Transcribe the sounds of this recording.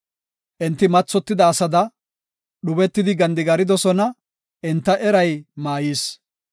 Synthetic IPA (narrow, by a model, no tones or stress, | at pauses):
ʔɪnt̪ːɪmɐt͡sːɔt̪ːɪd̪ɐːsɐd̪ɐ | ɗʊbɛt̪ːɪd̪ɪɡɐnd̪ɪɡɐɾɪd̪ɔsɔnɐ | ʔɪnt̪ːɐʔɛɾɐjmaːjiːs